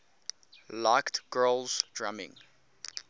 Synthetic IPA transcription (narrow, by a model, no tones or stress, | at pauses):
laɪktɡ̥ɜːlzdɹamɪ̰̃ŋ